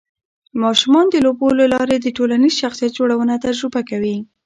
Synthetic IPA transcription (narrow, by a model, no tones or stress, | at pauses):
mɑʃumɑnd̪əlobolalɑɾed̪əʈolanizʃaxsijat̪̚d͡ʒoɽawənat̪ad͡ʒɾubakawi